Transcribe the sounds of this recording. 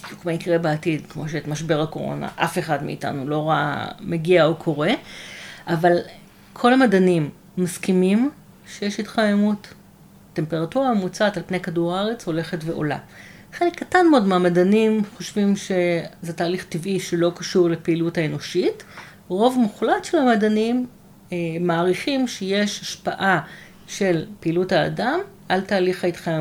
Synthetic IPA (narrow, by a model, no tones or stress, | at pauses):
bdjukmaikʁebaːtidkmo̞ʃ̬eetmaʃbe̞ʁako̞ʁo̞̰na̰ʔafe̞χadmḭḭta̰nulo̞ʁa̰meɡiaokʰo̞ʁe̞ | ʔaval | kʰo̞lamadanimː | askimim | ʃejeʃhitχajemutː | empeʁatuʁamut͡satalpne̞kaduʁaaʁet͡sho̞le̞χetveʔo̞̰la̰ | χelekːatanmeodmeamadanimχo̞ʃvimʃe̞zetaːliχtivʔiʃelo̞kaʃuʁlepeiluthaeno̞ʃit | ʁo̞vmuχlatʃe̞lhamadanimː | aːʁiχimʃejeʃhaʃpaʔa | ʃe̞lpeiːlutha̰ːdamʔaltaːliχhaitχaje